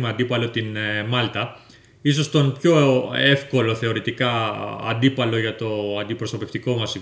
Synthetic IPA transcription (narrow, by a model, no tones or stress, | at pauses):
meɐnd̪ipɐlo̞t̪inemɐlt̪ɐ | iso̞st̪o̞npço̞e̞fko̞lo̞θe̞o̞ɾit̪ikɐɐ̰nd̪ipɐlo̞ʝɐt̪o̞ɐnd̪ipɾosɐpe̞ft̪iko̞mɐsi